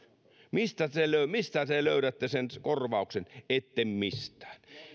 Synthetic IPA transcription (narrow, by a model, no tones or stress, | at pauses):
mist̪æt̪eløˑymist̪æt̪eløˑyɾæt̪ːesenskorʋɑˑuksenet̪ːemmist̪ˑæ̥ːn